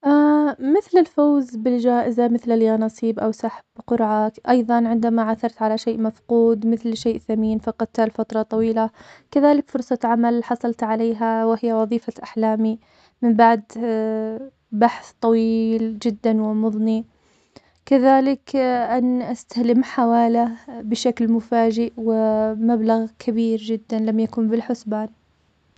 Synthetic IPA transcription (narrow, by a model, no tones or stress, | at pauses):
ʔamɪθlɪlfoːzbɪld͡ʒaːʔɪzamɪθlaljaːnɑsˤiːbʔawsaħbqʊɾʕakʔɑjðˤɑnʕɪnd̪amaʕaθɑɾˤt̪ʕalaʃeːʔmafquːd̪mɪθlʃeːʔθamiːnfɑqɑt̪t̪alfɑt̪ɾˤɑt̪ˤɑwiːlakaðaːlɪkfʊɾsˤɑʕamalħɑsˤɑlt̪ʕaleːɦawɪɦɪjːawɑðˤiːfaʔaħlaːmi | mɪmbaʕd̪ | baħθt̪ˤɑwiːld͡ʒɪd̪ːanwɪmʊðˤni | kaðaːlɪkʔanʔast̪ahlɪmħawaːlabɪʃaklmʊfaːd͡ʒɪʔwɪmablaɣkʰabiːɾd͡ʒɪd̪ːanlamjakuːmbɪlħʊsbaːn